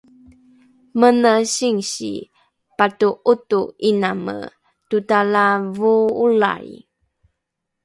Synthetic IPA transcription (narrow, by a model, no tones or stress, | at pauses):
mənəɕiŋɕḭ | patuʔutuinamə̰ | tutalavuula̰j